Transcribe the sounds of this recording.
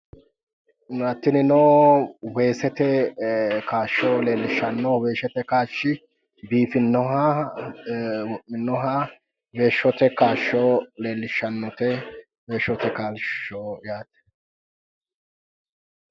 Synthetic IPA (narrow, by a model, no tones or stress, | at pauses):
nʊɐt̪ːɪnɪnoːwe̞ːsɛt̪ɛ | kaːʃːoːle̞ːlːɪʃːɐnːɔwe̞ːʃɛt̪ɛkaːʃːɪ | biːfɪnːɔɦɐ | wɔʔɪnːɔɦɐ | we̞ːʃːɔt̪ɛkaːʃːɔːle̞ːlːɪʃɐnːɔt̪ɛ | we̞ːʃːɔt̪ɛkaːlʃoːjaːt̪ɛ̥